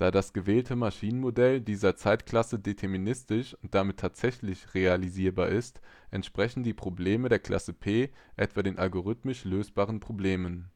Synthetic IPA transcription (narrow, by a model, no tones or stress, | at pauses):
d̥aːdasɡ̥əvɛːltʰəmaʃiːnənmodɛldiːzɐt͡saɪtkl̥asədetʰɛɐminɪstɪʃʊnt̚d̥amɪtʰːaːtz̥ɛçlɪçʁealiziːɐbaːɐʔɪst | ʔɛntʃpʁ̥ɛçn̩d̥iːpʁ̥obleːmədeːɐkl̥a̰səpʰeːʔɛ̰tv̥aːdeːnʔalɡoʁ̞ʏtmɪʃløːsb̥aːʁənpʁ̥obleːmən